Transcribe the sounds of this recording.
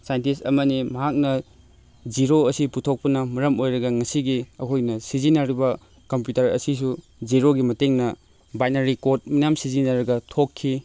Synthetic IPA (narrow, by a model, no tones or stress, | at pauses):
sajntisɐmɐnimɐɦak̚nɐ | d͡ʒiɾoɐsiputʰok̚pɐnɐmɐɾɐmojɾɐɡɐŋɐsiɡiɐkʰojnɐsizinɐɾibɐ | kɐmpjutɐɾɐ̰sisu | d͡ʒiɾoɡimɐteŋnɐ | bajnɐɾikot̚mɐjamsizinɐɾɐɡɐtʰokʰːi